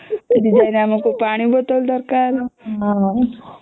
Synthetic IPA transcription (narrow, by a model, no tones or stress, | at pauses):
d̪id͡ʒajneamakopaɽ̃ibəd̪old̪əɾkaɾɦã